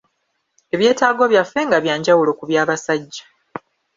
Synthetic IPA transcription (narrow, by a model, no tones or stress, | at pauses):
e̞βje̞ːtaːɡo̞βjafːe̞ŋɡaβjaːɲɟawulo̞kuβjaːβasaɟːḁ